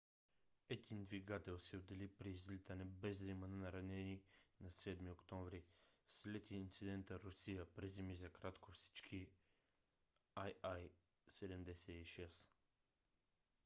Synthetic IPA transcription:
ɛd̪ind̪viɡat̪ɛlˠsɛod̪ɛlipɾiːzlit̪ənɛbɛzlimɐnənɐɾɐnɛninɐsɛd̪miokt̪ɔɱvɾislɛt̪iːnt̪sid̪ɛnt̪əɾʊsijəpɾizɛmizɐkɾat̪kofsi̥t͡ʃkʰi | ajaj | sɛd̪ɛmd̪ɛsɛiʃɛs

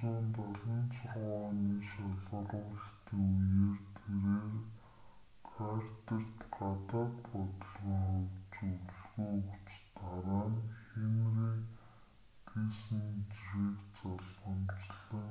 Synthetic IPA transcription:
eːnt̪aɮə̆nt͡sʰɔrʁaːniːʃaɮʁə̆ɮʁʊːɮ̆t̪ʰiːŋuneːrt̪ʰeɾeːr | kʰart̪ĕr̥t̪ɢat̪aːt̪pɔt̪ə̆ɮʁĭːŋχʊwt͡ɕuɮɣujɵkt͡ɕt̪aɾaːnxemriː | kiːsɘ̆nt͡ɕixɾeːkt͡saɮpə̆mt͡ɕɮə̆ː

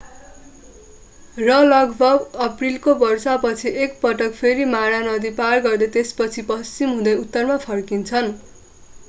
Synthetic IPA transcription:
rʌlʌɡbʱʌɡʌprilkobʌrsapʌt͡sʰiek̚pʌʈʌkpʰeɾimaɽanʌd̪iparɡʌrd̪ʌt̪espʌt͡sʰipʌst͡simɦũd̪ʌjut̪ːʌrmapʰʌrkint͡sʰʌn

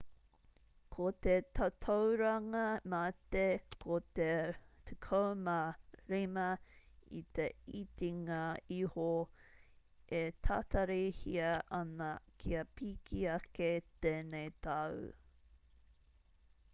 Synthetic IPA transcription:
kʰot̪et̪ɐtʰowɾɐŋɐmat̪ekʰot̪etukʰomaɾimɐḭt̪eit̪iŋaiho | et̪ʰat̪ɐɾihiɐʔɐnɐkʰiɐpikʰiɐket̪eːnejt̪ɐw

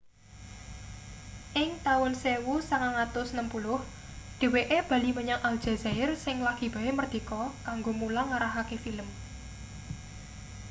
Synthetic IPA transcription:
ʔɪŋt̪aʊnsewusaŋaŋat̪ʊsnəmpulʊh | ɖ̥e̤weʔeb̥a̤liməɲaŋʔald̥ʒ̥a̤zaɪrsɪŋlaɡ̥i̤b̥a̤emərd̪̥i̤kɔkaŋɡomulaŋaɾaɦakefiləm

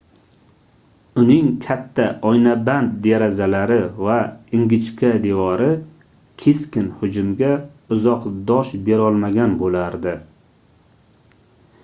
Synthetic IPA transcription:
ʊnɪŋkʲʰat̪ʰːaɒjnaband̪̚d̪eɾazalaɾɪvaɪŋɡʲɪt͡ʃkʲad̪evɒɾɪ | kʲʰe̞skʲɪnhʊd͡ʒʊmɡʲaʊzɒqd̪ɒʃbe̞ɾɒlˠmaɡʲanbolaɾd̪ɪ

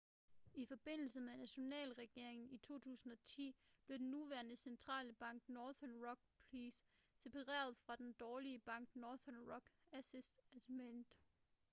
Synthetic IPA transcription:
ifɒ̽b̥e̝n̰l̩səmenæɕo̝nɛ̰ːlʁɛɡ̥e̝ɐ̰e̝ŋn̩it͡sʰo̝̰ːt͡sʰṵːsn̩ɒ̽t͡sʰḭːb̥le̝d̥enːuʋæɐnəsent͡sʰʁɑ̰̈ːləb̥ɑ̈ŋ̰ɡ̥nɒːðɐnʁɒ̽ɡ̥̚pʰliːs | se̝pʰɑʁɛ̰ːɐð̞ˠfʁɑ̈d̥end̥ɒːliəb̥ɑ̈ŋ̰ɡ̥nɒːðɐnʁɒɡ̥æsisd̥æ̥mend̥

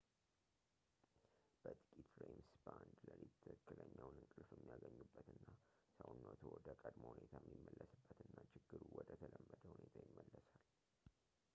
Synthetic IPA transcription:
b̥ət̪ʼɨkʼit̪ɾejmsband̪ləlit̪ʰːəkːɨləɲːawnɨŋkʼɨlfjɛmːijaɡəɲːubːət̪ɨnːasəwnːot̪ʰowɔd̪əkʼəd̪mohune̞t̪ʰajmːimːəlːəsɨbːət̪ɨnːat͡ʃɪɡːɨɾuwɔd̪ət̪ʰələmːəd̪əhunet̪ʰajɪmːəlːəsal

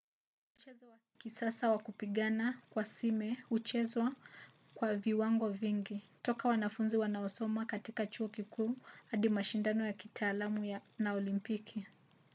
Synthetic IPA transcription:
m̩t͡ʃɛzɔwa | kisasawakupiɠanakwasimɛhut͡ʃɛzwa | kwaviwaŋɡɔviŋɡitɔkawanafunziwanaɔsɔmakatikat͡ʃuɔkikuːhaɗimaʃindanɔjakitʰaːlamujanaɔlimpikʰi

